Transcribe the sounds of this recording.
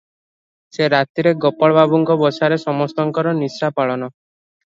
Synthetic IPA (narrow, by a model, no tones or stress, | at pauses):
seɾat̪iɾeɡɔpɔɭbabuŋkɔbɔsaɾesɔmɔst̪ɔŋkɔɾɔnisɾapaɭɔnɔ